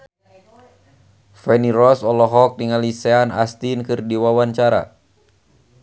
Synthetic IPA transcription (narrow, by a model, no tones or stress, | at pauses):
fɛniɾɔsɔlɔɦɔk̚niŋalisɛana̰st̪inkɨrdiwawaɲt͡ʃaɾa̰